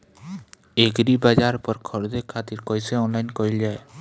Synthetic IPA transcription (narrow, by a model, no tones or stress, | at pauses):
eɡɾibad͡ʒaɾpɔɾkʰɔɾd̪ekʰat̪iɾkɔjseɔnlajnkoɾild͡ʒae